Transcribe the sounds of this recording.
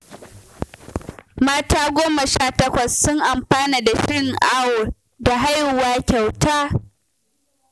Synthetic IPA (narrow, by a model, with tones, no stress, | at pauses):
maː˦taː˦ɡʷoː˦ma˨ʃaː˦tɐ˦kʷɐ˨sːʊ˦ŋʔa˨mɸaː˦niː˨da˨ʃɪ˦ŋʔa˦wʊ˨ | da˨ɦa˦jhʊ˨waː˦kʲa˨wtaː˦